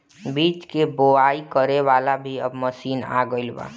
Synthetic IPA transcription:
biːt͡ʃkeboaikəɾeʋalabʱiəbməsiːna̰ɡəɪlba̰

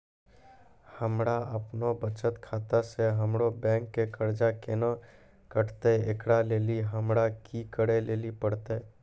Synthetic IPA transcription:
həmɽaəpnobət͡ʃət̪kʰaːt̪aseɦəmɽobɛ̃ːŋkːekəɾd͡ʒakena | kəʈʰt̪eekɽaleːliɦəmɽakikəɽeleːlipəɽt̪e

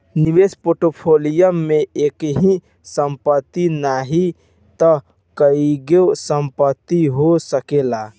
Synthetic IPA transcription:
niʋespoʈopʰolijəmːeekɦĩ | səmpət̪ːinaɦi | t̪ɔ | kəiɡesəmpət̪ːiɦosəkela

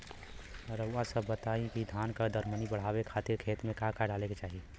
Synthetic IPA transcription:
ɾəʊasəbːət̪aɦikid̪ʱankad̪əɾmənibəɽ̤aːbekʰat̪ɪɾkʰeːt̪mẽkakaɖaːleket͡ʃaːɦi

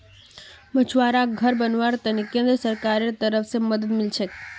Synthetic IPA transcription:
mət͡ʃʰʋaɾaɡʱəɾbənʋaɾt̪ənekẽnd̪ɾəsəɾkaɾet̪əɾəfʰseməd̪əd̪milt͡ʃʰek

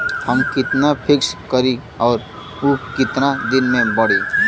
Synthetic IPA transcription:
həmkit̪napʰikskəɾi | aʊɾ | ukit̪nad̪inmẽbəɽ̤i

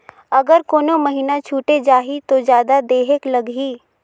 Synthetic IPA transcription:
ɐɡəɾkoːnõməɦiːnat͡ʃʰuːʈed͡ʒaːɦit̪od͡ʒjaːd̪ad̪eːɦeklɐɡɦiː

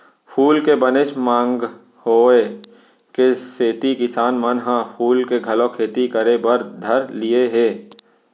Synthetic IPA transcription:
pʰuːlkebəneʃmãːŋɡ | hoːe | keseːt̪ikɪsaːnmənɦãpʰuːlkeɡʱɐlõkʰeːt̪ikəɾebəɾd̪ʱɐɾlɪjeɦeː

